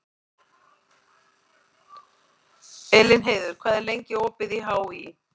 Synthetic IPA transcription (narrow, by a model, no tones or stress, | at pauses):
ɛlɪnɦeːjðʏɾ̥kʰvaːðɛɾlejɲcɪoːpɪðiɦawi